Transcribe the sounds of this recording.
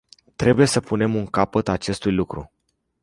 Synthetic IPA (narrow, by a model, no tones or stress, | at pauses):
t̪ɾe̞buje̞səpune̞muŋkapət̪at͡ʃe̞st̪ujlukɾṵ